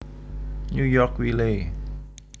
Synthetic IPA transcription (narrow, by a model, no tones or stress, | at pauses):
ɲujɔkwile